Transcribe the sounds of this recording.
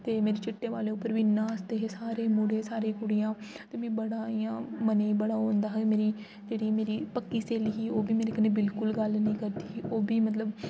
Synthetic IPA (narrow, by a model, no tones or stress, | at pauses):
t̪eːmeːɾeːt͡ʃɪʈːẽːʋaːleːʊpːəɾʋiːnãːəst̪eːɦesaːɾeːmʊɽeːsaːɾeːkʊɽijãː | t̪eːʋĩːbəɽaːijãːməneːiːbəɽaːõːnd̪aːɦmeːɾiː | d͡ʒeːɽiːmeːɾiːpəkːiːseːliːɦiːoːbiːmeːɾeːkəneːbɪlkʊlɡəlnəĩːkəɾd̪iːoːbiːmət̪ləb